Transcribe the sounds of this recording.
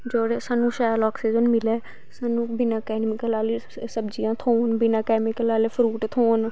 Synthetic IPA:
d͡ʒoːɽeːsaːnũːʃaːjəlaːksiːd͡ʒənmɪlɛː | saːnũːbɪnãːkɛːnmɪkəlaːliː | səbd͡ʒijãːt̪ʰoːnbɪnãːkɛːmɪkəlaːleːpʰɾuːʈt̪ʰoːn

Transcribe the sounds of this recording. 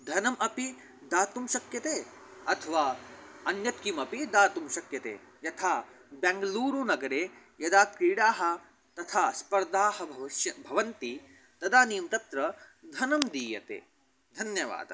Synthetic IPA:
d̪ʱɐnɐmʔɐpi | d̪aːt̪umʃɐkjɐt̪eː | ɐt̪ʰɐʋaːɐnjɐt̪̚kimɐpid̪aːt̪umʃɐkjɐt̪ḛː | jɐt̪ʰaː | bɛːŋɡɐluːɾuːnɐɡɐɾeː | jɐd̪aːkkɾiːɽaːɦɐ̆ | t̪ɐt̪ʰaːspɐɾd̪aːɦɐbʱɐʋɐʃjɐbʱɐʋɐnt̪i | t̪ɐd̪aːniːmt̪ɐt̪ɾɐd̪ʱɐnɐmd̪iːjɐ̰t̪ḛː | d̪ʱɐnjɐʋa̰ːd̪ɐ

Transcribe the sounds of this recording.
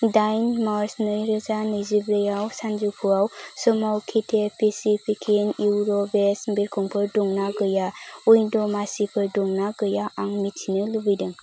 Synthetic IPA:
dajnmaɾsnɯɾɯzanɯjzibɾɯjawsand͡ʒupʰuawsɔmawkʰitʰepʰisipʰikʰinjuwɾɔbesmbiɾkʰuŋpʰɯɾdɔŋnaɡɯjaujdɔmasipʰɯɾdɔŋnaɡɯjaʔaŋmitʰinɯlubɯjdɯŋ

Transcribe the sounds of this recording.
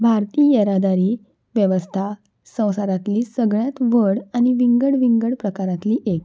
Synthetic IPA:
bʱaɾt̪iːjeɾad̪aɾiː | ʋjəʋəst̪ʰa | sə̃w̃saɾat̪liːsəɡɭjat̪ʋəɽañiʋiŋɡəɽʋiŋɡəɽpɾəkaɾãt̪liːʔek

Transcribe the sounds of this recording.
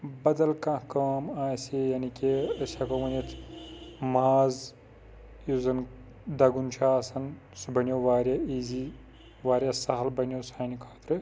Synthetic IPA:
bɐd̪ɐlkãːkaːmaːsijaːnikeɐsʲaːkɐʋɐnit̪ʰ | maːz | juzɐn | d̪ɐɡunt͡ʃʰaːsɐn | subɐnjoːʋaːɾjaiːzi | ʋaːɾʲjasɐɦɐlbɐnʲjoːsaːnikʰaːt̪ɾɨ

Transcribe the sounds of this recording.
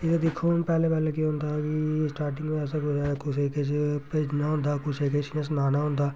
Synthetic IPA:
ɪsed̪ɪkʰːoːnpɛːlepɛːleːkiɦʊ̃ːnd̪aːkisʈaːɾʈɪ̃ŋɡmẽɛːsakʊt͡ʃːkʊt͡ʃʰeːket͡ʃpeːd͡ʒnaɦʊ̃ːnd̪aːkʊt͡ʃʰeːket͡ʃːnəs̬naːnaːɦʊ̃nd̪aː

